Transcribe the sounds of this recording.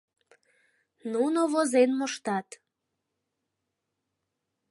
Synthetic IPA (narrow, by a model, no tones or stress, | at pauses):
nunoβozenmoʃt̪ɑt̪